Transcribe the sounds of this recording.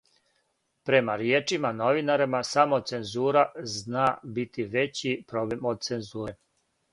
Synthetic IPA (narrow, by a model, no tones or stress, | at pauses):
pɾe̞maɾjeːt͡ʃimano̞ʋinaɾimasamose̞nzuːɾaznaːbit̪ʰiʋe̞t͡ɕipɾoblemod̪̚t̪senzuːɾe